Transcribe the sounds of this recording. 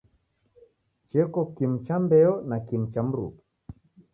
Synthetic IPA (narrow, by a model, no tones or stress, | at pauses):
t͡ʃɛkɔkim̩t͡ʃambɛɔnakim̩t͡ʃam̩ɾṵpu